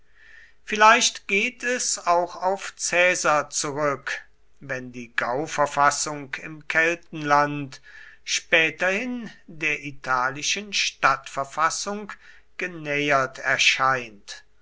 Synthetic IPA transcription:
fɪlaɪʃtɡ̥eːtʰɛsaʊxaʊft͡sɛːzat͡suʁʏk | vɛndiːɡaʊfɛɐfasʊŋkʰɪmkʰɛltn̩lantʃpɛːtɐhɪndeːɐʔitʰaːlɪʃənʃtatfɛɐfasʊŋk | ɡ̥ənɛjɐtʰɛɐʃaɪnt

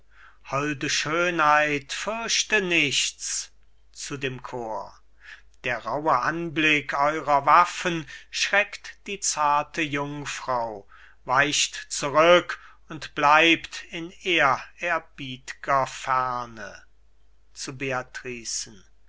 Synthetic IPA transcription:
hɔldəʃøːnhaɪtfʏɐʃtənɪʃt͡s | t͡sudeːmkʰoːɐ | d̥eːɐʁaʊəʔanblɪkʰʔɔʏʁɐvafənʃʁ̥ɛktd̥iːt͡saɐtʰəjʊŋfʁ̥ɑʊ | vaɪʃtt͡suʁʏk | ʊntb̥laɪptɪneːɐɛɐbiːtɪ̥ɡ̥ɐfɛɐnə | t͡subeatʁ̥iːsn̩

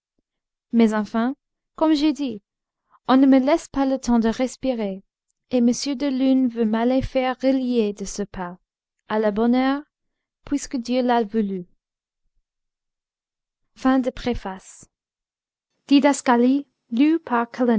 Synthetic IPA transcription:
mɛzɑ̃fɛ̃ | kɔmʒed̪i | ɔ̃nəməlɛspalət̪ʰɑ̃d̪əʁɛspiʁe | eməsjød̪əlynvømalefɛʁːəlied̪əsəpʰa | alabɔnœʁ | pʰwiskəd̪jølavuly | fɛ̃d̪əpχefas | d̪̥id̪askali | lypʰaʁkʰɔlɛ

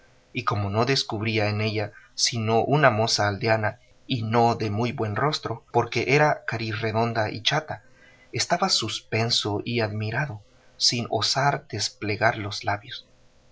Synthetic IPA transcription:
iko̞mo̞no̞ðe̞skuβɾiaene̞ʝasinoʔunamo̞saːld̪eana | ino̞ðe̞mujbwe̞nro̞st̪ɾo̞po̞ɾke̞ʔeɾakaɾisre̞ðo̞nd̪aʔḭt͡ʃat̪a | est̪aβasuspe̞nso̞ʔiaðmiɾaðo̞ | sino̞̰saɾd̪̥esple̞ɣaɾlo̞zlaβjos

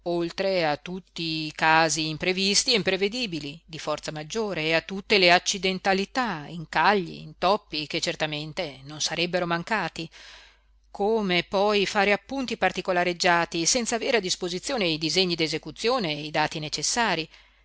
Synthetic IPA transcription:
olt̪ɾeat̪ːut̪ːikaːziːmpɾevist̪ieimpɾeved̪iːbilid̪ifɔrt̪samad͡ʒːoːɾeːat̪ːut̪ːeleat͡ʃːid̪ent̪alit̪aiŋkaʎːḭḭnt̪ɔpːiket͡ʃːert̪ament̪enonsaɾɛbːeɾomaŋkaːt̪i | kʰoːmepɔjfaːɾeapːunt̪ipart̪ikolaɾed͡ʒːaːt̪isɛnt̪saːveːɾead̪ːispozit̪sːjoːnejd̪izeɲːid̪ezekut̪sːjoːneid̪aːt̪inet͡ʃesːaːɾi

